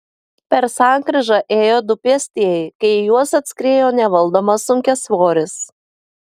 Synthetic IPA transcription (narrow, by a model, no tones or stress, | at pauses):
pʲɛɾsɑˑŋkɾʲɪʒɑʔeːjoːd̪ʊpʲiɛsʲt̪ʲiɛɪkɐɪjuɔsɐt̪ʲsʲkɾʲeːjoːnʲɛʋɐlˠd̪oːmɐsʊŋʲkʲɛsʋoːɾʲɪs